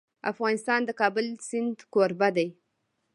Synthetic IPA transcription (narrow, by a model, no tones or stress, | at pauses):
a̰fɣɑnɪst̪ɑnd̪əkɑbʊlsɪnd̪koɾbad̪aj